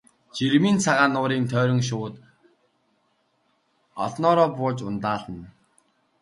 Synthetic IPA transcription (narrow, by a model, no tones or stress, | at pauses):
t͡ɕiɾmiːnt͡sʰaʁaːnʊːɾiːnt̪ʰœːɾʲɞ̆ŋʃ̬ʊːt̪ | ɔ̰ɮnɔːɾɔːpʊːt͡ɕʊnt̪aːɮə̆n